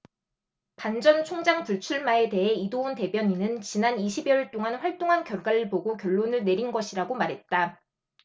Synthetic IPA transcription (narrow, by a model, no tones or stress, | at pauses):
pand͡ʑʌnt͡ɕʰoŋd͡ʑaŋpuɭt͡ɕʰuɭmae̞te̞ɦe̞idounte̞bjʌɲinɯnt͡ɕinaniɕʰibjʌiɭt͈oŋanɸwaɭt͈oŋɦankjʌɭɡwaɾɯɭpoɡokjʌɭːonɯɭne̞ɾinɡʌɕʰiɾaɡomaɾɦe̞t̚t͈a